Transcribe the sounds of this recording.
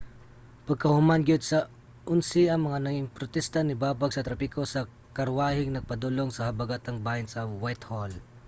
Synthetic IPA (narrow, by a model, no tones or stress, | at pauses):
pɐɡ̚kɐhʊmanɡɪd̪̚sɐ | ʔʊnsɪʔɐŋmɐŋanɐɡɪŋpɾot̪ɛst̪ɐnɪbaːbɐɡ̚sɐt̪ɾɐpɪkosɐ | kɐɾwaːhɪŋnɐɡ̚pɐd̪uloŋsɐhɐbɐɡat̪ɐŋbaːjɪnsɐwajt̪hol